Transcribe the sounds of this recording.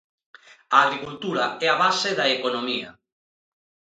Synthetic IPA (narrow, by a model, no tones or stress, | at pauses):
aːɣɾikult̪uɾɐɛaβaseðaekonomiɐ̰